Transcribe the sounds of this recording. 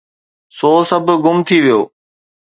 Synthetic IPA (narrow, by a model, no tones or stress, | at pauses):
soːsəbʱɡʊmt̪ʰiːʋijoː